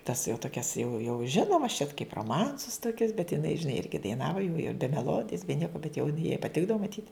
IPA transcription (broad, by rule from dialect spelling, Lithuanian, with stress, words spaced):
tɐs jɛʊ toːˈkʲɛs jɛʊ jɛʊ ˈʒʲɪnoːmɐs t͡ʃʲɛt kɐɪp roːˈmɐnsʊs toːˈkʲʊs bʲɛt jɪˈnɐɪ ʒʲɪˈnɐɪ ˈɪrʲɡʲɪ dɐɪˈnɑːʋɐ jɛʊ jɪ bʲɛ mʲɛˈlˠoːdʲɪjɛs bʲɛ ˈnʲiɛkɐ bʲɛt jɛʊ jɪn jɛɪ pɐˈtʲɪɡdɐʋoː mɐˈtʲiːt